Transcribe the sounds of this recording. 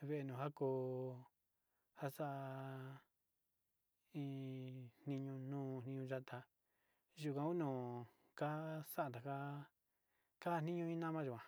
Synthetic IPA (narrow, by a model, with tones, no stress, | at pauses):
βe˧ʔe˧nũː˨ɦa˦ko˧ | ha˦sa˦ʔa˧ | ĩ˧˦n̥nĩ˧ɲũ˧nũː˦˧n̥ĩ˧ɲũ˧ʒa˦˧t̪ʰa˧ | ʒu˨˧˨kʷã˧u˦nũː˨ | ka˦sa˦ʔa˧˨t̪a˨ka˧ | ka˦˧nĩ˦ɲũ˧ĩ˦nã˦mã˦ʒu˨kʷã˨